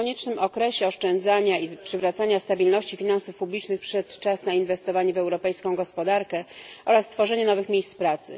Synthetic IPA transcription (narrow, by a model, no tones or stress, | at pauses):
ɔɲɛt͡ʂnɘmʔɔkɾɛɕɛɔʂt͡ʂɛnd̪zaɲaipʂɘvɾat̪saɲast̪abʲilnɔɕt͡ɕifʲinansufpublʲit͡ʂnɘxpʂɛt̪t͡ʂasnainvɛst̪ɔvaɲɛvɛwɾɔpɛjskɔ̃w̃ɡɔspɔd̪aɾkɛʔɔɾast̪fɔʐɛɲɛnɔvɘxmʲjejst̪spɾat̪sɘ̰